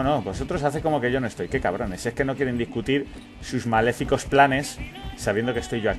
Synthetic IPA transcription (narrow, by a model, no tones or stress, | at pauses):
no̞bo̞so̞t̪ɾo̞saθe̞komo̞ke̞ʝo̞no̞e̞st̪o̞jke̞kaβ̞ɾo̞ne̞sie̞hke̞no̞kje̞ɾe̞nd̪ihkut̪iɾ | suzmale̞fiko̞splane̞sːaβjend̪okest̪o̞jʝoa